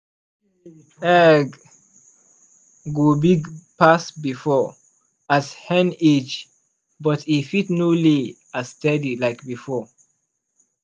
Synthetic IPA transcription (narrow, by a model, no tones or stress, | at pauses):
ɛɡ | ɡubiɡpasbifɔ | azhɛ̃nit͡ʃ | bʌtʰifitnuli | astɛdilaɪkbifɔ